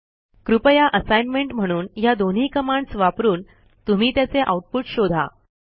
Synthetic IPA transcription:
kɾupəjaʔəsajnmeɳʈm̤əɽ̃uːnjad̪on̤iːkəmaɳɖsʋapɾuːn | t̪um̤iːt̪jat͡seʔa̰uʈ̚puʈɕod̪ʱa̰

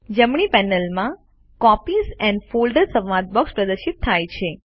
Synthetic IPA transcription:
d͡ʒəmɳipɛnəlmã | kɔpisɛ̃nɖfolɖəɾsə̃ʋʋad̪̚bɔkspɾəd̪əʃit̪ʰːajt͡ʃʰe

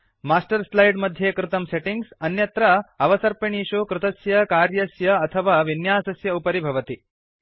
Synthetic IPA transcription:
maːsʈɐɾslɐjɖmɐd̪ʱjeːkɾɪt̪ɐmseʈiŋɡsɐnjɐt̪ɾɐɐʋɐsɐɾpeɳiːʂoːkɾɪt̪ɐsjɐkaːɾjɐsjɐːt̪ʰɐʋaːʋinjaːsɐsjɐupɐɾibʱɐʋɐt̪i

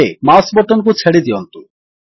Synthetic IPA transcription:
emasbɔʈonk̬ut͡ɕʰeɽid̪iont̪u

